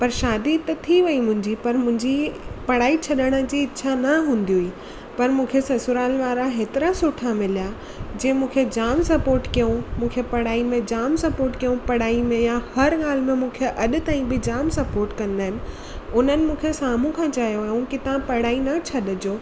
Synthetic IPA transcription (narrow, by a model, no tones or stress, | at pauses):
pɐɾʃaːd̪it̪ɐt̪ʰiʋɐimʊ̃ɦɪ̃ɲd͡ʑipɐɾmʊ̃ɦɪ̃ɲd͡ʑipɐɽ̤aːit͡ɕʰɐɗəɽ̃ə̆d͡ʑiːɪːʃʰanɐɦũːn̆d̪iʊiː | pɐɾmũːkʰesɐsʊɾaːlʋaːɾaɦeːt̪ɪɾasʊʈʰamɪlija | d͡ʑẽːmũːkʰed͡ʑaːmsɐpoːɾʈkijõmũːkʰepɐɽ̤aːimẽd͡ʑaːmsɐpoːɾʈkijõpɐɽ̤aːimẽjahɐɾɠaːl̤mẽmũːkʰeʔɐɗʊ̆t̪aːĩbɪd͡ʑaːmsɐpoːɾʈkɐ̃nd̪aːɦɪnɪ̆ | ʊn̤ənɪ̆mũːkʰesaːm̤ũkʰãːt͡ɕaːjoɦũkɪt̪ãpɐɽ̤aːinɐt͡ɕʰɐɗd͡ʑoː